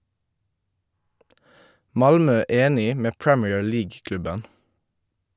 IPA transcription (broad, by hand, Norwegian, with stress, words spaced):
ˈmɑlmœ ˈeːnɪ ˈmeː ˈpɹɛmiːəɹ ˈliːɡ ˈklʉbən